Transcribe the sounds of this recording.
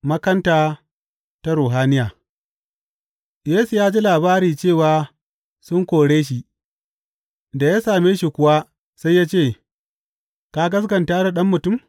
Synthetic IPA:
mɐ˦kɐ˦ntaː˨ | ta˦ɾoː˨ɦaː˦nɪ˦jaː˨ | jeː˦su˨jaː˦d͡ʒi˦laː˨baː˦ɾiː˨t͡ʃeː˦˨waː˨ | sʊ˦ŋkʷoː˨ɽeː˦ʃ̬i˦ | da˨jaː˦saː˨meː˦ʃi˨kʷʊ˦wa˦ | sa˦jːaː˦t͡ʃeː˦˨ | ka˦ɡɐ˦sɡɐ˨ntaː˦da˨ɗɐ˦mːʊ˨tʊ˦˨m

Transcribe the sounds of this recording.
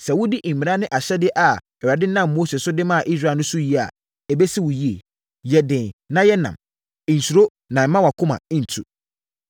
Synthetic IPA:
sɛ˨wʊ̃˦di˦ʔ̩˨mĩ˨ɾa˦nɪ̃˦ʔa˨ɕɛ˦dɪ˦ʔa˨ | ɛ˨wa˨dɪ˦nã˦˨mː˨oː˦se˨sʊ˦dɪ˦mã˦a˨ʔi˦s̬ɾaː˦˨nʊ̃˦sʊ˦ji˦a̰˨ | ɛ˨be˦si˦wʊ˨ji˦e˨ | jɛ˨dɪ̃˨nnã˦jɛ˦nã̰˨m̩˨ | n̩˨su˨ɾo˦ | nã˨˦mã˦wa˨kʰʊ˦mã̰˨˦n̩˨tʰṵ˨

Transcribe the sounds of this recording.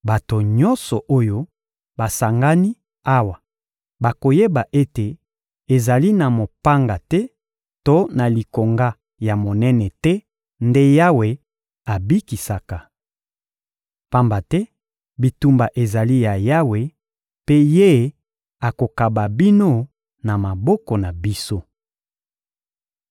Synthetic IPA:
ba˨to˨ɲɔ˦nsɔ˨ʔo˦jo˦ | ba˨sa˨ŋɡa˦ni˦ | a˦wa˨ | ba˨ko˨je˦ba˨ʔe˦te˨ | e˨za˨li˦na˨mo˨pa˦ŋɡa˨tɛ˦ | to˦na˨li˨ko˨ŋɡa˦ | ja˨mo˨nɛ˦nɛ˨tɛ˦ | nde˦ja˦we˨ | a˨bi˦ki˨sa˨ka˨ | pa˦mba˨tɛ˦ | bi˨tu˨mba˨ʔe˨za˨li˦ja˨ja˦we˨ | pe˦je˦ | a˨ko˨ka˨ba˨bi˦no˦ | na˨ma˨bɔ˦kɔ˨na˨bi˦so˦

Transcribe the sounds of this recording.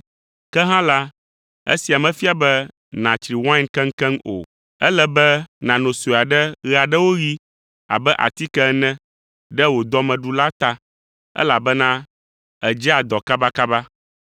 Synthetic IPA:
kɛ˦ɦã˦la˦ | ḛ˦si˨a˨mɛ̃˨fi˦a˨bɛ˦ | nã˨t͡ʃɾi˨wã˦nkɛ̃˦ŋ̩˦kɛ̃˦ŋo̰˨ | ɛ˦lɛ˦bɛ˦nã˨nõ˨su˨a˨ɖɛ˦ɣɛ˨a˨ɖɛ˦wo˦ɣi˦ | a̰˨bɛ˦ʔa̰˨t̪i˦kɛ˦nɛ̃˦ | ɖɛ˦wo˨d̪ɔ˦mɛ̃˨ɖu˨la˦t̪a˦ | ɛ̰˦la˨bɛ˦nã˦ | ɛ˨d͡ʒɛ˦a˨d̪ɔ˨ka˦ba˦ka˦ba˦

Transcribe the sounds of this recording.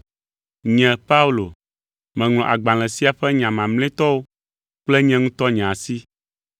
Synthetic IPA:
ɲɛ̃˨pa˦u˦lo˨ | mɛ̃˨ŋl̃ɔ̃˨ʔa˨ɡ͡bã˨l̃ɛ̃˨si˦a˨ɸɛ˦ɲã˨mã˨ml̃ɛ̃˦t̪ɔ˦wo˦ | k͡plɛ˦ɲɛ̃˦ŋũ˦t̪ɔ˦ɲã˨si˦

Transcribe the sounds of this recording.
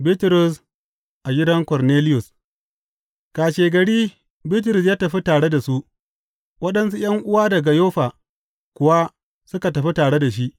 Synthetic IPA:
bi˦tɾʊ˨s | ʔa˨ɡʲɪ˦dɐ˦ŋkɔ˨rneː˦lɪ˦jʊ˨s | kaː˨ʃeː˨ɡɐ˨ɽiː˦ | bi˦t̬ʊ˨ɾʊ˨s̬jaː˦tɐ˨ɸi˦taː˨ɽe˦da˨su˦ʔ | wɐ˦ɗɐ˦nsu˦j̰ɐ˦ŋʔʊ˦waː˦dɐ˨ɡa˨joː˦ɸaː˨ | kʷʊ˨wa˦ | sʊ˦ka˨tɐ˨ɸi˦taː˨ɽe˦da˨ʃ̬i˦ʔ

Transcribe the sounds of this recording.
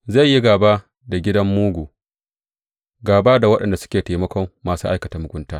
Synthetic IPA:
za˦˨jːi˦ɡaː˨ba˦ | da˨ɡʲɪ˦dɐ˦mːuː˦ɡʷuː˨ | ɡaː˨ba˦da˨wɐ˦ɗɐ˨nda˨sʊ̥˦kʲeː˨ta˨mɐ˦kʷɔ˦mːaː˨suː˦ʔa˦jkɐ˨taː˨mʊ˨ɡʷʊ˦ntaː˦

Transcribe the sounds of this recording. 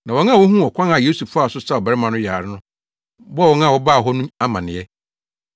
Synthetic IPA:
nã˨wɔ˨˦ŋã˦˨wɔ˦ɦũ˦ɔ˨kʷʰã˦na˨jo˦su˨fa˦˨sʊ˦sa˦˨ɔ˨bɛ˨ɾɪ˦mã˨nʊ̃˦jaː˨ɾɪ˦nʊ̃˦ | bɔ˦wɔ˨˦ŋã˦˨wɔ˦ba˦˨ɦɔ˦nũ˦a˦mã˨nɪ̃˨ɛ˦

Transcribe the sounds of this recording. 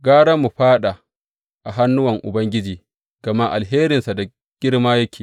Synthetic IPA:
ɡaː˦ɽɐ˦mːu˨ɸaː˦ɗa˨ | ʔa˨ɦa˦nːʊ˦wɐ˨ŋʔʊ̰˨bɐ˦ŋɡʲɪ˦d͡ʒiː˨ | ɡ̥ɐ˨ma˦ʔa˨lɦeː˦ɾɪ˨nsa˨da˨ | ɡ̥ʲɪ˦ɽmaː˦jɐ˦kʲʰiː˨

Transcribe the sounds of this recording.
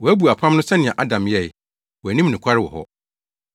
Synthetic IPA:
wɔ˨æ˦bu˨a˨pʰã˦mnʊ̃˦sɛ˦nɪ̃˨ɛ̃˨ʔa˦dã˨mjɛ˦˨ | wɔ˨æ˨nĩ˦m˦nũ˨kʰa˦ɾɪ˦wɔ̰˨ɦɔ̰˦

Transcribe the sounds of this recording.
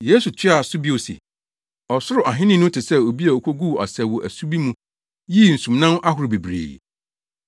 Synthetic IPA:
jeː˨˦su˨t͡ɕʰᶣɪ˦a˨sʊ˦bi˦o˨sḭ˨ | ɔ˨sʊ˦ɾʊ˨ʔa˨ɦɪ̃˦nɪ̃˦nʊ̃˦tʰɪ˨sɛ˦o˨bi˦a˨o˨kʰʷo˦ɡu˦˨a̰˨sɛ˨wɔ˨ʔæ˨su˦bi˦mũ˦ | ji˦˨n̩˨sũ˨mnã˦n˦ʔa˦ɦʊ˨ɾʊ˨be˨bɾḛː˨

